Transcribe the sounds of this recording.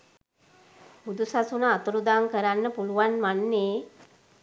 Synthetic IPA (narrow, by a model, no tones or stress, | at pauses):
bud̪ʱusasunəːt̪uɾud̪aŋkəɾanːəpuluʋanmanːeː